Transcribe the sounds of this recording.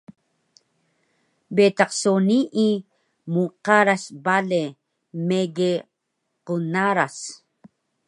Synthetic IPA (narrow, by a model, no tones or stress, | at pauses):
bet̪aqsoniʔi | muqaɾasbale | meɡe | qunaɾas